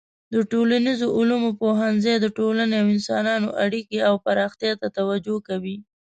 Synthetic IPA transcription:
d̪əʈolanizoʔʊlumopoɦanzejd̪əʈolaneawɪnsɑnɑnoʔaɽikeawpaɾɑxt̪jɑt̪at̪awad͡ʒokawi

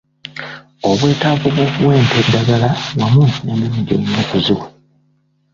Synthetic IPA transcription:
o̞βwe̞ːtavuβuβwe̞ːnteddaɡalaβwamunemimiɟo̰ɲinokuzu

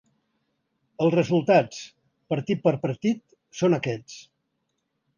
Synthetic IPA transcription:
əlˠzrəzulˠt̪at͡s | pəɾt̪it̪̚pəɾpəɾt̪it̪̚ | sonəkɛt͡s

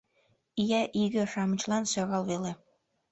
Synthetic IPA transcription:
ijæʔiɡɘ̆ʂɑmɤ̆t͡ɕlˠɑnsɑɣɑlˠβele

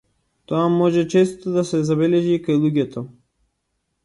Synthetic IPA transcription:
t̪oamɔʒɛt͡ʃɛst̪od̪asɛzabɛlɛʒikajlˠuɟɛt̪ʰɔ

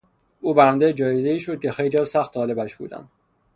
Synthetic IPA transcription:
uːbænd̪ed͡ʒɒːjeze̞iːʃod̪̚cʲʰe̞xejliːjɒsæxt̪ʰɒːle̞bæʃbṵːd̪æ̰nd̪

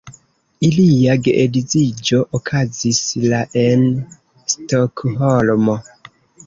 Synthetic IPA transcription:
iliaɡeʔedizid͡ʒo̞ʔokʰazislaʔen | stokɦolmo

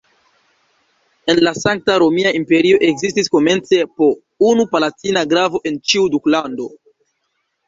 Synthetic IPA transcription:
e̞nlasaŋk̚taɾo̞miaʔimpe̞ɾio̞ʔe̞ɡzistisko̞me̞nt͡se̞po̞ | unupalatinaɡɾavo̞ʔe̞nt͡ʃiuduklando̞

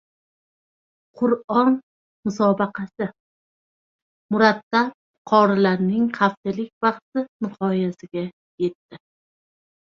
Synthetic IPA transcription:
qʰʊɾɒn | mʊsɒbɑqʰɑsɪ | mʊɾat̪ːap̚ | qʰɒɾɪlaɾnɪŋqʰɑft̪ɪlɪk̚ʲvɑqt̪ɪnɪqʰɒjasɪɡʲa | je̞t̪ːɪ

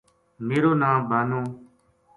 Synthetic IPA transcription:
miːɾoːnãːbʱaːnõː

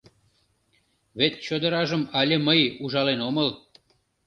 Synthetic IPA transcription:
βet̪̚t͡ɕod̪əɾɑʒəmɑlʲeməjuʒɑlenoməl

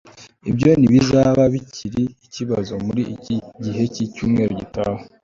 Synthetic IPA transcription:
ibjo̞niβiʒaβaβiciɾiːciβazo̞muɾiɟiɦe̞cicuːmŋe̞ːɾoɟitaho

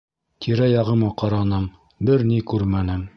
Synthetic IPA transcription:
t̪ʰiɾæjɑʁɤ̆mɑqɑɾɑnɤm | bɘɾnikʉɾmænɘm

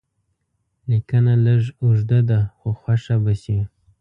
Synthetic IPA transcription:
likanaləʒuʐd̪ad̪axoxwaʂabasi

